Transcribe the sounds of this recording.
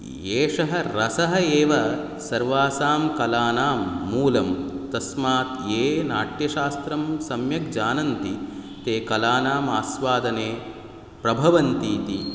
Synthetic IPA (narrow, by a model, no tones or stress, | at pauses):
jeːʂɐɦɐ̆ɾɐsɐɦɐeːʋɐ | sɐɾʋaːsaːmkɐlaːnaːmːuːlɐmt̪ɐsmaːt̪eːnaːʈjɐʃaːst̪ɾɐmsɐmjɐk̚d͡ʒaːnɐnt̪i | t̪eːkɐlaːnaːmaːsʋaːd̪ɐneː | pɾɐbʱɐʋɐnt̪iːt̪i